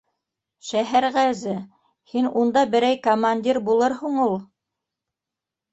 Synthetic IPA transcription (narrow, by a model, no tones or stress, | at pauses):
ʃæɦæɾʁæzɘ | hinund̪ɑbɘ̆ɾæjkomanʲdʲiɾbulˠɤɾɦuɴulˠ